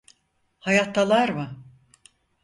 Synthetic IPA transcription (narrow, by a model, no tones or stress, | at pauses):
hajat̪ːalˠaɾmɯ